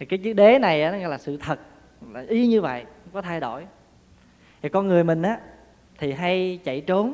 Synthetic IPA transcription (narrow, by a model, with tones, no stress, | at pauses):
kaː˨˦jt͡ɕɨ˦ɗe˨˦na˨˩jʔaː˨˦nɔ˨˦ɣɔ̰˧˨laː˨˩sɨ̰˧˨t̪ʰə˨˩t̚ | a˨˩ʔi˧˦ɲɨ˧və̰˧˨jŋ͡mkɔ˨˦t̪ʰa˧jɗo̰˧˩˨j | t̪i˨˩kɔ˧nŋɨ˨˩əjmï˨˩ŋ̟ʔaː˨˦ | t̪ʰi˨˩ɦa˧jt͡ɕə̰˧˨jt͡ɕo˨˦n